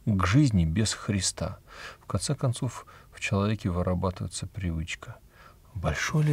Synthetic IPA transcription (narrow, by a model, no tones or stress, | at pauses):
ɡʐɨzʲnʲɪbʲɪsxɾʲɪst̪a̰fkɐnt̪sɛkɐnt̪sofft͡ɕɪlˠɐvʲekʲɪvɨɾʔɐbat̪ɨvə̰jt̪səpɾʲɪvɨt͡ɕkə | bɐlʲʂojʲɪ